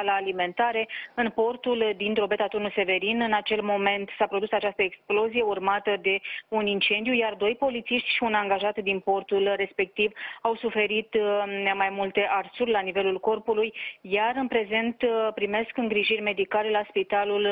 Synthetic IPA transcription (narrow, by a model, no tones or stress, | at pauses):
laːlime̞nt̪aɾe̞ɨnpo̞rt̪uld̪int̪ɾobe̞t̪at̪onuse̞ve̞ɾinɨnat͡ʃe̞lmo̞me̞nt̪sapɾo̞d̪usat͡ʃast̪əeksplo̞zije̞urmat̪əd̪e̞unint͡ʃe̞nd̪jujard̪o̞jpo̞lit̪siʃt̪ʲʃiunaŋɡaʒat̪d̪inpo̞rt̪ulre̞spe̞k̚t̪ivawsufe̞ɾit̪majmult̪e̞ʔarsurʲlanive̞lulko̞rpulujjaɾɨnpɾe̞ze̞nt̪pɾime̞skɨŋɡɾiʒirʲme̞d̪ikale̞laspit̪alul